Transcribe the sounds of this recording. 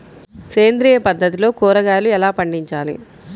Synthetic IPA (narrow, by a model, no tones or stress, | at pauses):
keːnd̪ɾiːjɐpɐd̪ːɐt̪ilo̞ːkuːɾɐɡaːluɛlaːpɐɳɖiɲt͡ʃaːlḭ